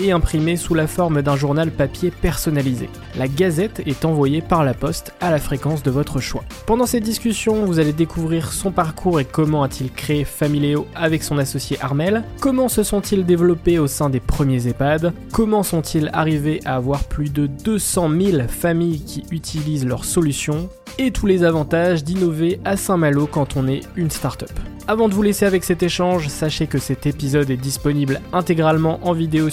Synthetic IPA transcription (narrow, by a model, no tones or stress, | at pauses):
eɛ̃pχimesulafɔʁmd̪ɛ̃ʒuʁnalpapjepɛʁsɔnalizḛ | laɡazɛt̪ɛt̪ɑ̃vwajepaʁlapɔst̪alafχekɑ̃sd̪əvɔt̪χəʃwa̰pɑ̃d̪ɑ̃sɛd̪iskʲysjɔ̃vuzaled̪ekʰuvʁiʁsɔ̃paʁkʰuʁekɔmɑ̃at̪ʰilkχeefamileoavɛksɔ̃nasɔsjeʔaʁmɛlkɔmɑ̃səsɔ̃t̪ild̪evlɔpeosɛ̃d̪epχəmjezepad̪ | kɔmɑ̃sɔ̃t̪ʰila̰ʁiveʔaːvwaʁplyd̪əd̪øsɑ̃milfamijkʲiyt̪ʰilizlœʁsɔlysjɔ̃ | et̪ʰulezavɑ̃t̪aʒd̪inɔveasɛ̃malokɑ̃t̪ʰɔ̃nɛynst̪aʁt̪œp | avɑ̃d̪əvuleseavɛksɛt̪eʃɑ̃ʒsaʃekəsɛt̪epizɔd̪ɛd̪ispɔniblɛ̃t̪eɡʁalmɑ̃ʔɑ̃vid̪eo